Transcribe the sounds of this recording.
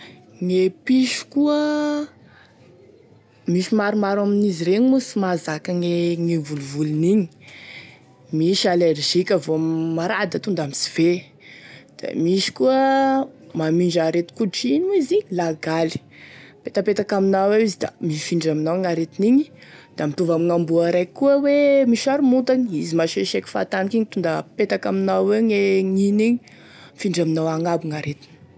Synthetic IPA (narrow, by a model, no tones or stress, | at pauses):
ŋepiʃu̥kuə | miʃimaɾumaɾaminiziɾeɲmusimazakaŋeŋevuluvuluniɲi̥ | miʃalerʒikʲəvoammaɾad̪at̪und̪amisi̥v̥e | d̪̥a̰miʃi̥kuə | mamiɳɖ͡ʐaɾet̪u̥kuʈ͡ʂiɲiziɲilaɡali̥ | pet̪apet̪akaminawewizid̪a̰mifiɳɖ͡ʐaminaŋaɾet̪iniɲid̪̥amit̪uvamiŋambuaɾajkuəwemiʃaɾumunt̪aniizimaʃeʃekʲi̥fa̰t̪anikiɲit̪und̪apet̪akaminaeɲeŋiniɲi | fiɳɖ͡ʐaminawaŋabuŋaɾet̪i̥ni̥